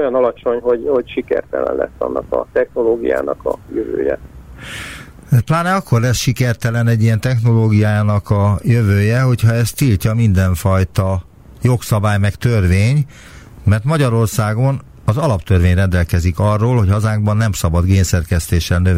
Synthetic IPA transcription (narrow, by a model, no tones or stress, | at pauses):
ojɒnɒlɒt͡ʃo̞ɲɦo̞ɟho̞ɟʃikɛ̰rt̪ɛ̰lɛ̰nlɛ̰sːɒ̰nːɒkɒ̰t̪ɛxnoloːɡija̰ːnɒkɒ̰jøvø̰ːjɛ̰ | plaːnɛɒkːo̞rlɛsʃikɛrt̪ɛlɛnɛɟːijɛnt̪ɛxno̞loːɡijaːaːnɒkɒjøvøːjɛɦo̞chɒɛst̪ilcɒmind̪ɛɱfɒjt̪ɒ | jo̞ksɒbaːjmɛkt̪ørveːɲ | mɛrt̪mɒɟɒɾo̞rsaːɡo̞n | ɒzɒlɒpt̪ørveːɲrɛnd̪ɛlkɛzikɒrːoːlho̞chɒzaːŋɡ̚bɒnːɛmsɒbɒd̪ɡeːnsɛrkɛst̪eːʃːɛlnøv